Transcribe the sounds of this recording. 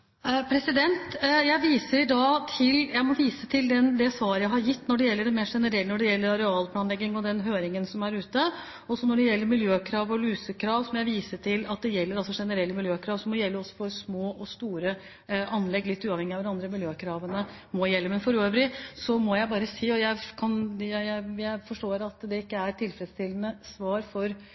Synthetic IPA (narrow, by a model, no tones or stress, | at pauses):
pʰɾɛsɪd̪ɛnt̪jæɪʋiːsəɾɪd̪ɑːt̪ʰɪljæɪmɔʋiːsət̪ʰɪld̪ɛnd̪ɛsʋɑːɾəjæɪhɑɾjɪt̪ːnɔɖɛjɛlːəɖɛmeːʂɛnəɾɛlnɔɖɛjɛlːəɾɑɾɛɑːlpʰlɑːnlɛɡːɪŋɔd̪ɛnɦøːɾɪŋənsɔmæɾʉːt̪ə | ɔsɔnɔɖɛjɛlːəɾmɪljøːkʰɾɑːʋɔlʉːsəkʰɾɑːʋsɔmjæɪʋiːsəʈʰɪlɑt̪̚d̪ɛjɛlːəɾɑlsɔʂɛnəɾɛlːəmɪljøːkʰɾɑːʋsɔmɔjɛlːəɔsːɔ̥fɔɾsmoːʔɔst̪uːɾə | ʔɑnlɛɡːlɪt̪ːʉːɑʋhɛŋːɪɑʋɾɑnd̪ɾəmɪljøːkʰɾɑːʋənə | mɔjɛlːəmɛnfɔɾøːʋɾɪsɔmɔjæɪbɑːɾəsiːɔjæɪkʰɑnjæjæɪjæɪfɔʂʈoːɾɑt̪d̪ɛɪkːəæɾʈ̪ʰɪlfɾɛd̪st̪ɪlːənəsʋɑːɾfɔɾ